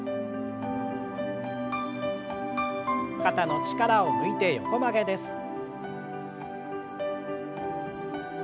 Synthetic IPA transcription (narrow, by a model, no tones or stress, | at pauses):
kat̪ano̞t͡ɕi̥kaɾaomɯ̟it̪e̞jo̞̰ko̞maɡe̞d̪e̞sɨ̥